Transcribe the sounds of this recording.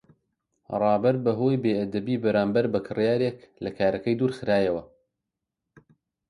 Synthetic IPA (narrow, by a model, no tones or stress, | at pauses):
rˤɑːbɐɾbɐɦoːjbeːʔɐd̪ɐbiːbɐɾaːmbɐɾbɐkʰɨrjaːɾeklɐkʰaːɾɐkɐjd̪uːɾxɨɾaːjɐwɐ